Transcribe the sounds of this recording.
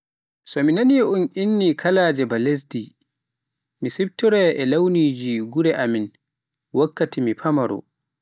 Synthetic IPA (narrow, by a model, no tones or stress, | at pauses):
sɔminaniunʔinːikʰalaːd͡ʒɛbales̬di | misib̚tːɔɾɛʔɛlawniːd͡ʒiɡuɾɛʔamin | wakːatimipʰamaɾɔ̰